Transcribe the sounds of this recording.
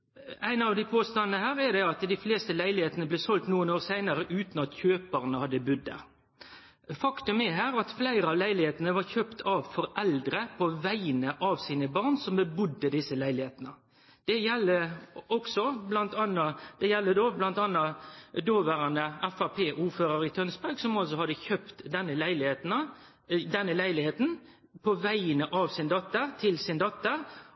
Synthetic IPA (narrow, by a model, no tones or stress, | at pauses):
æɪnɑʋd̪ɪpʰoːst̪ɑnnəhæːɾɛɾd̪ɛɑt̪d̪ɪfleːst̪əlæɪlɪheːt̪nəblɛːsɔlt̪nuːənoːɾsæɪnɑɾəʔʉːt̪nɑt̪çøːpəɾnəhɑd̪ːəbʉd̪ːə̰ | fɑkt̪ʉmæɦæːɾɑt̪flæɪɾəɑʋlæɪlɪheːt̪nəʋɑɾçøːpt̪ʰɑʋfɔɾɛld̪ɾəpʰɔʋæɪnəʔɑʋsiːnəbɑʁnsɔmbəbʊd̪ːəd̪ɪsːəlæɪlɪheːt̪ənə | d̪̥ɛjɛlːəɔksɔblɑnt̪ɑnɑd̪̥ɛjɛlːəd̪oːblɑnt̪ɑnːɑd̪oːʋæɾɑnəæfɑpʰeːʔuːføːɾəɾɪt̪ʰœnspɑɾɡsɔmɑls̬ɔhɑd̪ːəçœpt̪d̪ɛnːəlæɪlɪheːt̪n | d̪ɛnːəlæɪlɪheːt̪n | pʰɔʋæɪənəʔɑʋsɪnd̪ɑt̪ːət̪ʰɪlsɪnd̪ɑt̪ːə